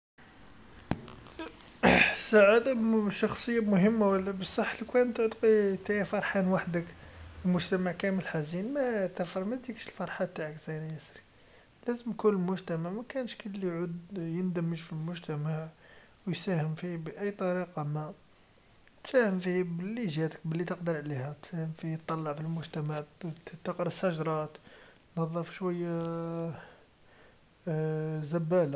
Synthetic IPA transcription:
sːaʕad̪aʃɑxsˤəjːamʊhəmːawəlːæbəsˤːɑħːlikænt̪ʕd̪qit̪æjæfɑɾˤħanwaħd̪əkəlmʊʒt̪æmaʕkæməlħazinmæt̪æfɾˤmæd̪ikʃəlfɑɾˤħat̪ːaʕəkz̥æjnjæsɾi̥ | læzəmkunəlmʊʒt̪æmaʕmækænʃkəlːijʕud̪jənd̪əmːəʒfilmʊʒt̪æmaʕ | wjsæhəmfibəʔæjːt̪ˤɑɾiqɑmæ | t̪sæhəmfihbəlːiʒæt̪ə̥k̚bəlːit̪əqd̪əɾʕlihæt̪sæhəmfit̪ˤːɑlːɑʕfilmʊʒt̪æmaʕt̪əqɾsːæʒɾˤɑt̪ | nɑðˤːɑfʃwæjːa | zæbæla

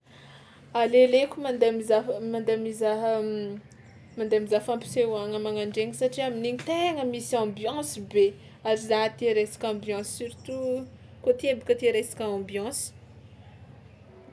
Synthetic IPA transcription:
alelekʲumand̪emizamand̪emizaɦ | mand̪eamizafãmpi̥sewaŋəmaŋaɳɖ͡ʐeŋisaʈ͡ʂiaminiɲit̪eŋəmisɑ̃bjɑ̃sibe | aɾizaɦt̪iɾesi̥kʲɑ̃bjɑ̃sːyɾit̪u | kot̪iebikət̪eɾesi̥kʲaɑ̃bjɑ̃si̥

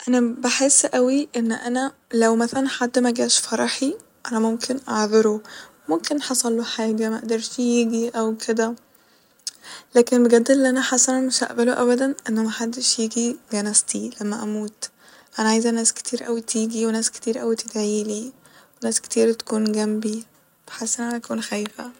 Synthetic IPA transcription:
ʔænæbeħesːʔæwiʔenːʔænælæwmæθælænħad̪ːmæɡæːʃfɑɾˤɑħi | ʔænæmomkʰenʔɑʕðɑɾo | momkenħɑsˤɑlːoħaːɡæmæʔæ̰d̪ɑɾˤʃjiːɡiʔæwkʰed̪æ | læːkenbeɡæd̪ːelːʔænæħasænæmeʃæ̰ʔbæloʔæbæd̪ænʔenːæmæħad̪ːeʃjiːɡiɡænæst̪ʰilæmːæʔæmuːt̪ | ʔænæʕajzænæːske̥t̪ʰiːɾʔæwit̪ʰiːɡiwenæːske̥t̪iːɾʔæwit̪eɡ̪æʕiːli | wenæːske̥t̪iːɾt̪æ̥kuːnɡæmbi | b̥e̥ħasːʔenæʔænæʔækuːnxæːjfæ̰

